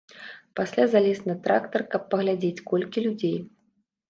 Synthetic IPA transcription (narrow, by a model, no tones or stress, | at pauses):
pasʲlʲazalʲesnɐt̪ɾa̰kt̪ɐrkɐpːɐɣlʲad͡zʲet͡sʲkɔlʲkʲilʲud͡zʲej